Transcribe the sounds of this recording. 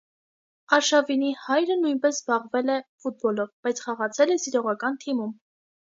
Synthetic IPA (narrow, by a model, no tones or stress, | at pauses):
ɑɾʃɑvinihɑjɾənujnpɛsbɑʁvɛlɛfut̪̚bɔlɔvb̥ɑjt͡sʰχɑʁɑt͡sʰɛlɛsiɾɔʁɑkɑnt̪ʰimum